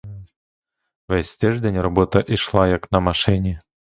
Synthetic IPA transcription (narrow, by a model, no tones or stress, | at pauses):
vɛsʲt̪ʲɛʐd̪ʲenʲrɐbot̪ɐʔiʂlˠajaknɐmɐʂɪnʲɪ